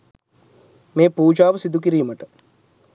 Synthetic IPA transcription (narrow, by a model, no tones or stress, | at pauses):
meːpuːd͡ʒaːʋəsid̪uk̬iɾiːməʈə